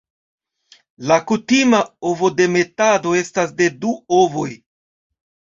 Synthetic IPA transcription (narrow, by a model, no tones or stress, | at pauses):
lakutimao̞vo̞de̞me̞tado̞e̞stasde̞duo̞vo̞j